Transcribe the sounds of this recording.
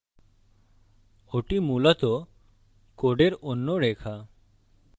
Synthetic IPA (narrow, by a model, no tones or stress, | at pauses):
oʈimulat̪o | koɖeɾonːoɖekʰa